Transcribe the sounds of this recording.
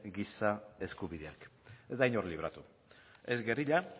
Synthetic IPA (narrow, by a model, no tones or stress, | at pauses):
ɡisae̞skuβiðeake̞zd̪ajnoɾliβ̞ɾa̰t̪u | e̞zɡeriʎa